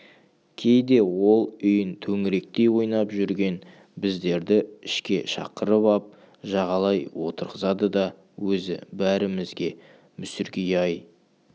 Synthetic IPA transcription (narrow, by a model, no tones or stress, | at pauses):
kʲʰe̞jd̪e̞wo̞lˠʏjɪnt̪ʰɵŋɪɾe̞k̚t̪e̞jwo̞jnɑpʒʏɾɡʲe̞n | bɪzd̪e̞ɾd̪ɪɪʃkʲe̞ʃɑ̰qəɾəpɑp̚ | ʒɑʁɑlˠɑjwo̞t̪əɾʁəzɑd̪əd̪ɑ | wɵzɪ̰bæɾɪmɪzɡʲe̞ | mʏsʏɾɡʲejɑj